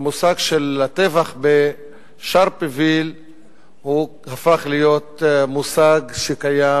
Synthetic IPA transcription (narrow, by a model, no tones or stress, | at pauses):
musaɡʃelat̪evaχbe | ʃaʁpevil | hu | hafaχlijo̞t̪musaɡʃekaja